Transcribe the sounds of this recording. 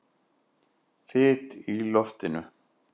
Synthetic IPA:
θɪt̪ilɔft̪ɪnʏ̰

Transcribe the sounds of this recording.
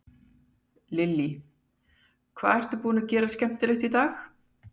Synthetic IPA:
lɪlːi | kʰv̥a̰ːðɛr̥t̪ʏpuːnacɛːɾascɛm̥t̪ɪlɛht̪it̪aːx

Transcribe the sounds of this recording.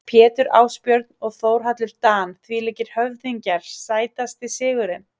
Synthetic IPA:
pʰjɛːt̪ʏɾa̰ːwspjœɾt̪nɔɣθoːwɾ̥ɦat̪lʏɾ̥t̪aːnθviːlecɪɾ̥hœvθiɲcaɾ̥saːjt̪ast̪ɪsɪːɣʏɾɪm

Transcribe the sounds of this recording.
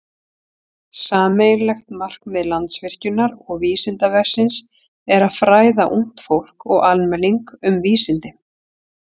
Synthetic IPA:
saːmejlɛxt̪mar̥kmɛðlant̪svɪr̥cʏnːaɾɔɣviːsɪnt̪avɛr̥sɪns | ɛɾaðfɾaːjðaʔuŋ̥t̪fowl̥kɔɣalmɛlːiŋkʏmviːsɪnt̪ɪ

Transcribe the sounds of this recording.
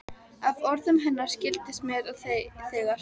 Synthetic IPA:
avɔɾðʏmɦɛnːḁscɪlt̪ɪst̪mjɛɾaðθθɛɣa

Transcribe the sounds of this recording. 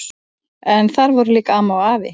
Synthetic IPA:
ɛnθaɾvɔɾʏliːkaaːmawaːvɪ̰

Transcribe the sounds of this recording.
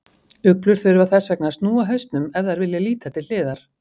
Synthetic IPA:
ʏklʏɾ̥θœɾʏvaðθɛsːvɛk̚nast̪nuːaɦœɥst̪nʏmɛvðaɾvɪljɪliːt̪at̪ʰɪlɪːðaɾ̥

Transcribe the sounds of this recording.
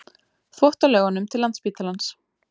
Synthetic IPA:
θvɔht̪alɛɣanːʏmt̪ʰɪlant̪spiːt̪alans

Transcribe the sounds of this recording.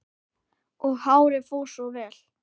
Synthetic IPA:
ɔɣhaːwɾɪfuwsɔvɛːl̥

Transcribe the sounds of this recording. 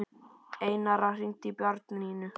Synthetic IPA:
ejnaɾarint̪ipjœɾt̪niːnʏ

